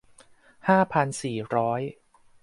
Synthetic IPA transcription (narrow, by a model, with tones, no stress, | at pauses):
haː˥˩pʰa˧nsiː˨˩ɾɔː˦˥j